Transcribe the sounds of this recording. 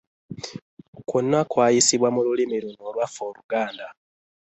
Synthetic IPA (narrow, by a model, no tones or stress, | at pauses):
konːakwaːjisiβwamululimiɾono̞ːlwafo̞ːluɡaːnda